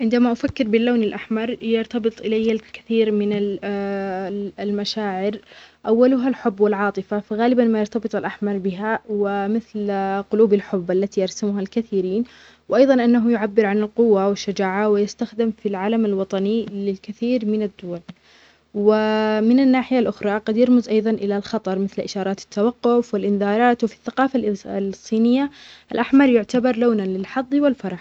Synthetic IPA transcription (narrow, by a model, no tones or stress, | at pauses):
ʕɪnd̪amaʔafakːɪɾbɪlːaːnalʔaħmɑɾˤjɑɾt̪ɑbɨt̪ˤʔɪlajːalkḁθiːɾmɪna | lmaʃaːʕɪɾʔawːalʊɦalħʊbːwɪlʕɑːt̪ˤɨfafaɣaːlɪbanmajɑɾt̪abɨt̪ˤalʔaħmɑɾˤbɪɦawɪmɪθlqʊluːbalħʊbːʔalːat̪iʔɑɾˤsamʊɦalkaθiːɾiːn | wʔɑjðˤɑnʔɪnːaɦʊjʊʕabːɪɾʕanɪlqʊwːawɪʃːʊd͡ʒaːʕawɪjɪst̪axd̪ɪmfilʕaːlamalwɑt̪ˤɑnilɪlkɪθiːɾmɪnad̪ːʊːal | wɪmɪnanːaːħɪjalʔʊxɾˤɑqɑd̪jɑɾmʊzʔɑjðˤɑnʔɪlalxɑt̪ˤɑɾˤmɪθlʔɪʃɑːɾˤɑːt̪ɪ̥t̪ʰːawɑqːʊfwɪlʔɪnðɑːɾˤɑːt̪wɪfi̥θːaqɑːfallsˤːiːnɪjːaʔalʔaħmɑɾˤjʊʕt̪abɑɾˤloːnanlɪlħɑðˤːwɪlfɑɾˤɑħ